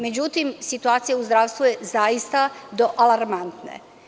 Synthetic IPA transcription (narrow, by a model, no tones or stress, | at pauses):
me̞d͡ʑut̪imsit̪uaːt̪sijauzd̪ɾaːʋst̪vuje̞zajist̪ad̪o̞ʔalaɾmant̪nḛ